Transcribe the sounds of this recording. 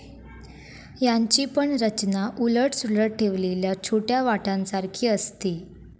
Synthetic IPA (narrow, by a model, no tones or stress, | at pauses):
jaɲt͡ɕiːpəɳɾət͡ɕnaʔuləʈsuləʈ̚ʈʰeʋleljat͡ɕʰoʈjaʋaʈãnsaɾkʰiːəst̪iː